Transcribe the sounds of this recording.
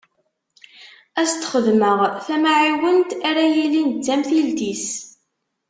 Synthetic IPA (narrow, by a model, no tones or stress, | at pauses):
æst̪χəðməʁθæmaʕiwənt̪æɾæjilint͡sːæmθild̪is